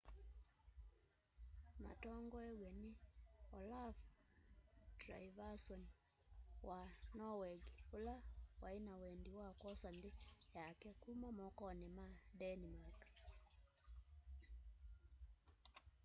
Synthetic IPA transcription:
ma̰tɔŋɡɔɛwɛneɔlav | tɾa̰ivasɔn | wanɔwɛɡolawaenawɛndiwakɔsandejakɛkumamɔkɔnɛmadɛnimak

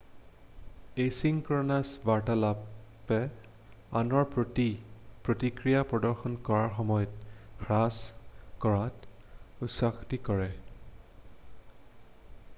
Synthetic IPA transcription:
ejsiŋkɔɹɔnasbaɹtalap | ɛ | a̰nɔɹpɹotipɹotikɹijapɹɔdɔɹxɔnkɔɹaɹxɔmɔjɔtxɹaskɔɹat | usaxtikɔɹɛ

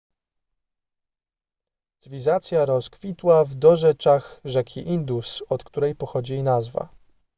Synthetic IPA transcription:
z̥vʲizat̪sʲjaɾɔskfʲit̪wavd̪ɔʐɛt͡ʂaxʐɛkʲʰiʔind̪usɔt̪kt̪uɾɛjpɔxɔd͡ʑiɛjnazva̰

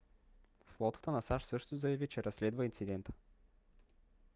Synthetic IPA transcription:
flˠɔt̪ə̥t̪ənɐsaʃsɤʃt̪ʊzɐjɐvit͡ʃɛɾʔɐsːlɛd̪vəint̪sid̪ɛnt̪ə̥

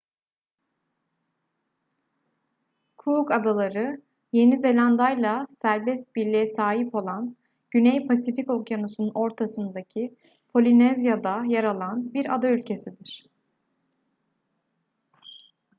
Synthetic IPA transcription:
kʰukad̪alˠaɾɯ | je̞nize̞lʲand̪ajlˠasæɾbɛst̪̚bilʲːijɛsaːɦipo̞lˠan | ɟynɛjpʰasifiko̞kjanusununo̞ɾt̪ʰasɯnd̪acʰi | pʰo̞lʲinɛzjad̪ajaɾalˠanbiɾa̰d̪aylʲcʰe̞sid̪iɾ̥

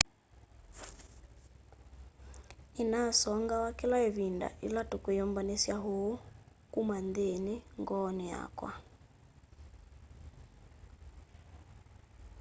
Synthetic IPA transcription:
inasɔŋɡawakelaeβinda̰ʔilatokwejɔmbanesjaɦokumandeneŋɡɔnɛa̰kwa̰

